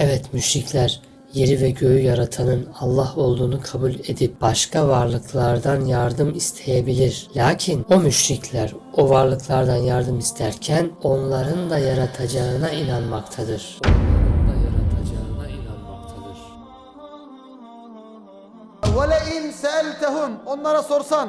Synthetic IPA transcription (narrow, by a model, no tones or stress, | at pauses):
ɛvɛt̪myʃɾiclʲæɾ | je̞ɾivɛɟø̞jyjaɾat̪ʰanɯnalˠːaho̞lˠd̪uːnukʰabulʲe̞d̪ip̚b̥aʃkʰavaɾlˠɯkʰlˠaɾd̪anjaɾd̪ɯmist̪ʰe̞jebilʲiɾlʲaːcʰinomyʃɾicʰlʲæɾovaɾlˠɯklˠaɾd̪anjaɾd̪ɯmist̪ʰæɾcʰæno̞nlˠaɾɯnd̪ajaɾat̪ʰad͡ʒaɯnainanmakt̪ʰad̪ɯɾ̥onlˠaɾɯnd̪ajaɾat̪ʰad͡ʒaɯnainanmak̚t̪ʰad̪ɯɾ̥ | walɛɪnsaalʲt̪ʰuɦumonlˠaɾaso̞ɾsan